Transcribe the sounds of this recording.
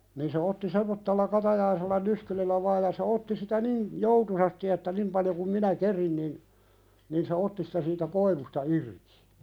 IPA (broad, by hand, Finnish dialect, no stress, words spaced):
niː se otːi semːotːelːɑ kɑtɑjɑiselːɑ nyskylilːæ ʋɑːj̆ jɑ se otːi sitæ niːn joutusɑsti etːæ nim pɑljo kum minæ kerin nin nin se otːi sitæ siːtæ koiʋustɑ irki̥